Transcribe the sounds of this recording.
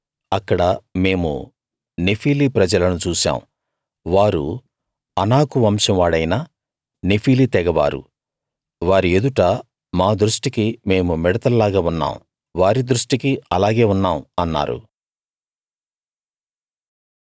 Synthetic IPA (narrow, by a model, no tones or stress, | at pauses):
ɐkːɐɽɐme̞ːmṵ | nepʰiːlipɾɐd͡ʒɐlɐnut͡ʃuːʃa̰ːm | ʋaːɾṵ | ɐnaːkuʋɐmʂɐmʋaːɽɐjnaː | nepʰiːlit̪ɛɡɐʋa̰ːɾṵ | ʋaːɾie̞d̪uʈɐ | maːd̪ɾuʂʈikime̞ːmumɛɽɐt̪ɐllaːɡaːunːa̰ːw | ʋaːɾid̪ɾuʂʈikiɐlaːɡe̞ːunːaːmɐnːa̰ːɾṵ